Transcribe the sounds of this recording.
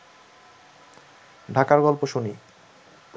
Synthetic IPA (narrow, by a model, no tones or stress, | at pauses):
ɖʱakaɾɡɔlpoʃoni | p